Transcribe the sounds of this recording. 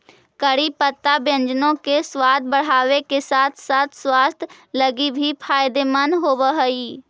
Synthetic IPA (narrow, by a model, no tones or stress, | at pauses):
kəɽipət̪ːabjə̃nd͡ʒnõkeswaːd̪̚bəɽ̤aːʋekesaːt̪ʰsaːt̪ʰswaːst̪ʰ | ləɡibʱipʰaːɪd̪emənɦoːbəɦəiː